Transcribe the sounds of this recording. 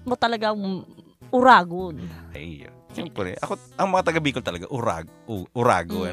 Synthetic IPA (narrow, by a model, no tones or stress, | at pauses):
mot̪ɐlɐɡa | ʔʊɾaːɡonʔɐjʔijo̰ | ʃɛmpɾɛ̰ʔɐkoʔɐŋmɐŋat̪ɐɡɐbiːkolt̪ɐlɐɡaʔʊɾa̰ːɡʔuʔʊɾa̰ːɡo